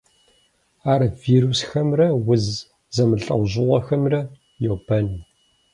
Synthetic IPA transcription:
aːɾɐviːɾusxɐmrɐwʊz | zɐmɨɬʼɐ̰ʁʑɪʁʷɐxɐmrɐ | joːbɐnu

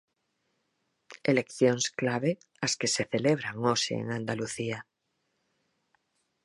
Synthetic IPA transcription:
elekθjoŋsklaβ̞e | askeseθe̞leβ̞ɾaŋosḛḛŋãnd̪aluθia

